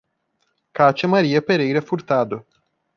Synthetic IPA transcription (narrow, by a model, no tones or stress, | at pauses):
kat͡ʃemaɾijepeɾejɾefurt̪ad̪o